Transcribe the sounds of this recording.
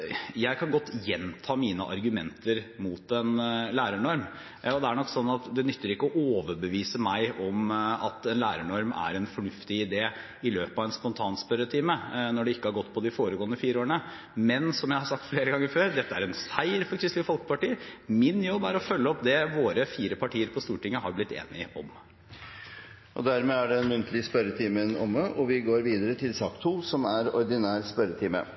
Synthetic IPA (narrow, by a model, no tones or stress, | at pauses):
jæɪkʰɑnɡɔt̪ːjɛnt̪ʰɑːmiːnə̰ʔɑ̰ɾɡʉmɛ̰nt̪ʰəɾmuːt̪ɛnlæːɾəɳɔɾm | ɔd̪ɛæɳɔkːsɔnːɑt̪d̪ɛnʏt̪ːəɾɪkːəɔʔoːʋəɾbəʋiːsəmæɪʔɔmɑt̪ɛnlæːɾəɳɔɾmæ̰ɾɛnfɔɳʉft̪ɪɪd̪eː | ɪløːpɑʋɛnspɔnt̪ʰɑːnspœɾət̪ʰiːmənɔɖɛɪkːəhɑɾɡɔt̪ːpʰɔd̪ɪfoːɾəɡoːənəfiːɾəoːɳə | mɛnsɔmjæɪhɑsɑk̚t̪fleːɾəɡɑŋːəɾføːɾd̪ɛt̪ːəæɾɛnsæɪɾfɔɾkʰɾɪst̪əfɔlkəpʰɑʈiːəmɪnjɔbːæɾɔfœlːəɔpd̪ɛʋoːɾəfiːɾəpʰɑʈʰiːəɾpʰɔst̪uːʈɪŋːəhɑɾblɪt̪ːḛːnɪ̰ɔ̰m | ʔɔ̰d̪æɾmeːæɖɛnmʉnt̪ʰəlɪspœɾət̪ʰiːmənɔ̰məʔɔʋɪɡoːɾʋiːd̪əɾət̪ʰɪlsɑːkt̪ʰuːsɔmæɾɔɾd̪ɪnæːɾspœɾət̪ʰiːmə̰